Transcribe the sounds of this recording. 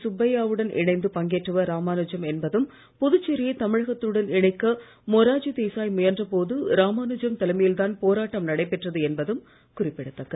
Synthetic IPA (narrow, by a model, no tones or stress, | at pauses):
sʊbɐjaːʋɯɽɐnʔɪ̰ɳɐɪnd̪ɯpɐŋɡeːʈrɯʋɐɾaːmaːnɯd͡ʒɐmɛnbɐðɯm | pɔðɯt͡ʃːɪɾɪjɐt̪ɐmɪɻɐɣɐt̪ːɯɯɽɐnɪɳɐɪkːɐ | moːɾaːd͡ʒit̪eːsaːjmʊjɐndrɐpoːðɯɾaːmaːnɯd͡ʒɐmt̪ɐlɐmɐjɪlt̪aːnpoːɾaːʈːɐmnɐɽɐɪpːɛʈrɐðɯɛnbɐðɯm | kʊrɪpːɪɽɯt̪ːɐkːɐ